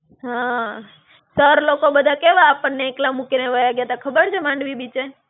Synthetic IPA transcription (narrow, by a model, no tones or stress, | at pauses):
ɦã | səɾlokobəd̪ʱakeʋaːpəɳːeːklamukineʋəjaɡjet̪akʰəbəɾt͡ʃʰemãɳɖʋibit͡ʃe